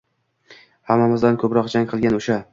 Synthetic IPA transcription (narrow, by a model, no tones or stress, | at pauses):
hamːamɪzd̪ankʰɵpɾɒqd͡ʒaŋʲqʰɨlˠɡʲanoʃa